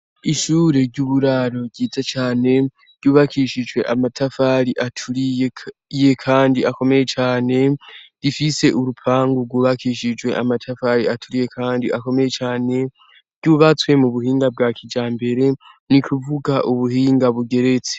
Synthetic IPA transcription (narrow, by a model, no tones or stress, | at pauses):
iʃuːɾe̞ɾɟuβuɾaɾo̞ɟiːzat͡ʃaːne̞ | ɾɟ̥uːβakʰiʃid͡ʒwe̞ʔamatʰafaɾiʔatʰuɾijeje̞kʰaːndiako̞me̞je̞t͡ʃaːne̞ɾifise̞ʔuɾupʰaːŋɡuɡwuːβakiːʃid͡ʒwe̞̰ʔamatʰafaɾiatʰuɾije̞kʰaːndiʔako̞me̞je̞t͡ʃaːne̞ | ɾɟuβat͡swe̞muβuhiːŋɡab̚ɡakʰid͡ʒaːmbe̞ɾe̞ | nikuvuɡaʔuβuhiːŋɡaβuɡe̞ɾe̞t͡se̥